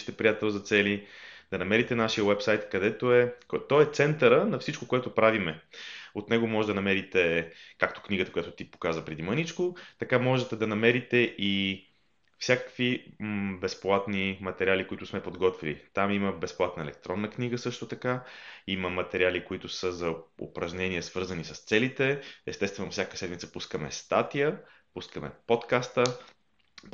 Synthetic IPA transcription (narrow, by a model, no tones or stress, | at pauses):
t̪ɛpɾʲijat̪ɛlˠzɐt̪sɛlid̪̥ɐnɐmɛɾit̪ɛnaʃijəwɛpsajt̪kɐd̪ɛt̪oɛkt̪ɔɛt̪sɛnt̪əɾənɐfsit͡ʃkokoɛt̪opɾavimɛot̪nɛɡomɔʒɛd̪ɐnɐmɛɾit̪ɛkakt̪o̥kniɡət̪ɐkojat̪ʊt̪ipo̥kazvəpɾɛd̪imənit͡ʃkot̪ɐkamɔʒɛt̪ɛd̪ɐnɐmɛɾit̪ɛʔi | fsʲjakə̥kvibɛsplˠat̪nimɐt̪ɛɾʲialikoit̪ʊsmɛpod̪ɡɔt̪vilḭt̪amiməbɛsplˠat̪nəɛlɛ̰k̚t̪ɾɔnːəkniɡəsɤʃt̪ʊt̪ɐkaiməmɐt̪ɛɾialikoit̪ʊsəzɐo̰pɾɐʒnɛniɛsvɤɾzənisə̥st̪sɛlit̪ɛɛst̪ɛst̪vɛnʊfsʲjakə̥sɛd̪mit̪səpuskəmɛ̰st̪at̪ijə | puskəmɛ̰pot̪kast̪ə